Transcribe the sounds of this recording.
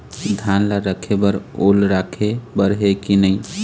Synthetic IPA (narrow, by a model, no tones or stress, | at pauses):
d̪ʱanlaɾəkʰebəɾolɾakʰebəɾɦekinəɪ